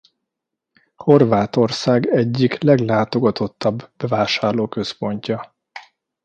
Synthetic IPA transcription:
ho̞rvaːt̪o̞rsaːɡɛɟːiklɛɡlaːt̪o̞ɡɒt̪o̞t̪ːɒbbɛvaːʃaːrloːkøspo̞ɲcɒ

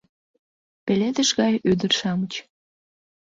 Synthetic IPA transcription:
peled̪əʃɣɑjyd̪ərʃɑmət͡ɕ

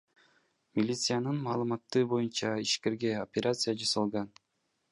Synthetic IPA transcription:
mʲilʲit̪sɨjanɯnmɑːlˠɯmɑt̪ːɯbo̞junt͡ʃɑiʃke̞ɾɡe̞o̞pʲeɾʲʔat̪sɨjad͡ʒasɑlˠʁɑn

